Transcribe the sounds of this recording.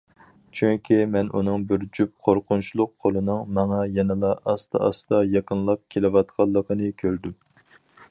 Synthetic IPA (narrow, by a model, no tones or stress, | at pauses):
t͡ʃʰyŋkʲʰimɛnʔunɨŋbɪɾd͡ʒyp̚qʰoɾqʊnt͡ʃʰulˠʊqʰːolˠɨnɨŋmɑŋɑjɛnɨlˠɑʔɑst̪ʰɑ̰ɑ̰st̪ɑjɑqənlˠɑp̚kʲʰelɪwɑt̪̚qʰɑlˠːəqʰənɨkʲʰøɾd̪u